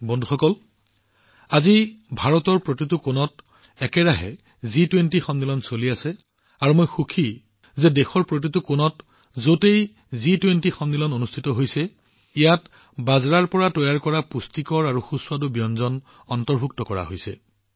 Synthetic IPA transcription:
bɔndʱuxɔkɔl | azibʱaɹɔtɔɹpɹotitukonɔt̚ | ɛkɛɹaɦɛ̰ | zitwentixɔndilɔnsoliasɛ | aɹumojxukʰi | zɛdɛxɔɹpɹot̬itukonɔt | zotej | zitwentixɔndilɔnonustʰitɔɦojsɛ | ijat | bazɹaɹpɔɹatɔjaɹkɔɹapustikɔɹaɹuxuswadubijɔnzɔn | ɔntɔɹbʱuk̚tɔkɔɹa̰ɦojsɛ̰

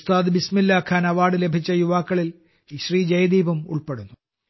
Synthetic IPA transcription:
st̪aːd̪bismilːaːkʰːaːnɐʋaːɽɨle̞bʱit͡ɕːɐjuʋaːkːɐɭil | ɕriːd͡ʑɐjɐd̪iːbɐmṵɭpe̞ɽunːu

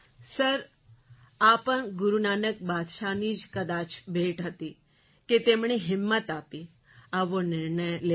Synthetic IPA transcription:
səɾ | apəɳɡʊɾunanək̚bad̪ʃanid͡ʒkəd̪at͡ʃbʱeʈɦət̪i | ket̪emɳ̃eɦɪmːət̪api | aʋonɪɾɳəjle

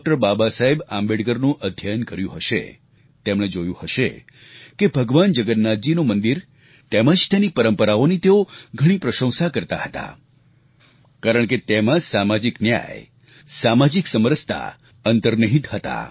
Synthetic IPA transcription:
k̚ʈəɾbabasaɦebãmbeɽɡəɾnũʔəd̪ʱjajənkəɾjũɦəʃḛ | t̪emɽ̃ed͡ʒojũhəʃḛ | kebʱəɡʋand͡ʒəɡət̪nad͡ʒinomənd̪iɾ | t̪eməd͡ʒt̪enipəɾəmpəɾaonit̪eoɡʱəɽ̃ipɾəʃə̃w̃sakəɾt̪a̰ɦət̪a̰ | kaɾəɳket̪emãsamad͡ʒiknja̰j | samad͡ʒiksəməɾəst̪ʰa̰ | ənt̪əɾnəɦit̪hət̪a̰

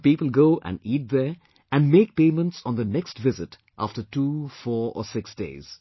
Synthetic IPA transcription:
piːpəl̩ˠɡoːʔæ̰̃niːt̚d̪ə | æ̃nmeːk̚pẽːmə̃ntsn̩d̪ənɛksʈʋɪzɪt | ʔa̰fʈətuːfɔːɹɔ̰sɪksd̥ḛɪz̥

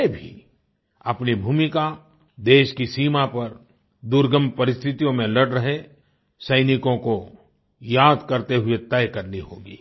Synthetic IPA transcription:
bʱḭ | ɐpnibʱuːmɪka | d̪eːʃkisiːmapɐɾ | d̪uɾɡə̃mpɐɾɪst̪ʰɪt̪ijõmẽlɐɽɾɐɦe | sɐɪnɪkõko | jaːd̪kɐɾt̪eɦʊet̪ɛjkɐɾniɦo̰ːɡḭː

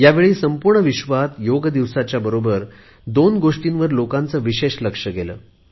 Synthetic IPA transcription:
jaʋeɭiːsəmpuɾɳəʋiɕʋat̪joɡd̪iʋsat͡ɕjabəɾobəɾ | d̪onɡoʂʈinʋəɾlokãnt͡səːʋiɕeɕləkʂəɡelə̰ː

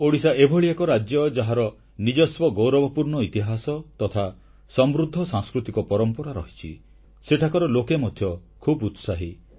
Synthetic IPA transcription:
oɽisaebʱɔɭiekɔɾad͡ʒjɔd͡ʒaɦaɾɔ | nid͡ʒɔswɔɡowɾɔbɔpuɾɳɔit̪iɦasɔt̪ɔt̪ʰa | sɔmɾud̪ʱːɔsãŋskɾut̪ikɔpɔɾɔmpɔɾaɾɔɦit͡ʃʰḭ | seʈʰakɔɾɔlokemɔd̪ʱjɔkʰubut̪saɦi

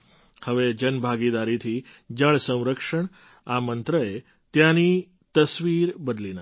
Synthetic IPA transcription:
həʋed͡ʒənbʱaɡid̪aɾit̪ʰi | d͡ʒəɭ̃sə̃w̃ɾəkʂəɳ | amənt̪ɾəe | t̪jãni | t̪əsʋiɾbəd̪lina

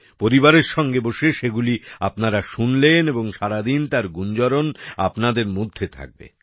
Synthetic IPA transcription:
poɾibaɾeɾʃɔŋɡeboʃeʃeɡuliapnaɾaʃunleneboŋʃaɾad̪int̪aɾɡund͡ʑɔɾona̰pnad̪eɾmod̪ʱːet̪ʰa̰k̚bḛ

